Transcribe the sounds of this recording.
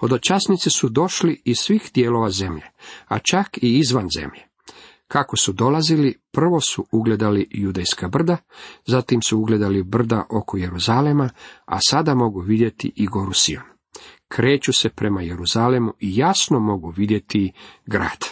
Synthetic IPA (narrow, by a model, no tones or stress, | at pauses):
o̞d̪ot͡ʃasnit̪sesud̪o̞ʃliisʋiːxd̪jeːlo̞ʋaze̞mʎe̞̰a̰t͡ʃakiizʋanzḛmʎe | kako̞sud̪o̞lazilipr̩ʋo̞suuɡle̞d̪alijud̪ejskabr̩d̪azat̪imsuuɡle̞d̪alibr̩d̪aʔo̞ko̞je̞ɾuzalemaa̰sad̪amo̞ɡuʋid̪je̞t̪ḭʔiɡo̞ɾusio̰n | kʰɾe̞ːt͡ʃuse̞pɾe̞majeɾuzalemuijasnomo̞ɡuʋid̪je̞t̪iɡɾa̰ːd̪̥